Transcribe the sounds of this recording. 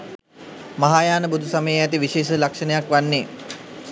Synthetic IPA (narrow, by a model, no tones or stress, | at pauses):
maɦaːjaːnəbud̪ʱusaməjəæt̪iʋiʃeːʃəlakʂənəjakʋanːeː